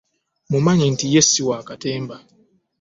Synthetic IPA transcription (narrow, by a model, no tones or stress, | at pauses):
mumaɲen̩tijɛsiwaːkateːmba